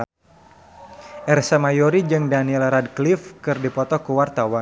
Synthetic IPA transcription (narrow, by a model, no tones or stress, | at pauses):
ʔɛrsamajoɾid͡ʒɨŋdaniɛlɾadklifkɨrdipɔt̪ɔkəwart̪awan